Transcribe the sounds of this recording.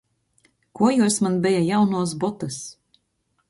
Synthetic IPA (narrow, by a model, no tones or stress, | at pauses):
kuɔjusmanbʲɛjajawnuɔs̬bɔt̪ɨs